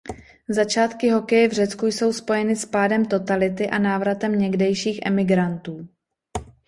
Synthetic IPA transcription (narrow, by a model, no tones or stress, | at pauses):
zat͡ʃaːt̪kɪɦo̞kɛjɛvr̝ɛt͡skujso̞wspo̞jɛnɪspaːdɛmt̪o̞t̪alɪt̪ɪʔanaːvɾat̪ɛmɲɛɡdɛjʃiːxʔɛ̰mɪɡɾant̪uː